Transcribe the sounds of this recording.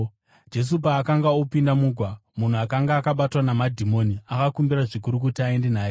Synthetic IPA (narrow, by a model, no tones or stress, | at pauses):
d͡ʒe̞s̬up̬aːkaŋɡaupindamuːɡʱwamun̤uakaŋɡaːkaɓatwanamadʱimo̞niakakumbiɾaʐik̬uɾuk̬utiae̞nde̞naːje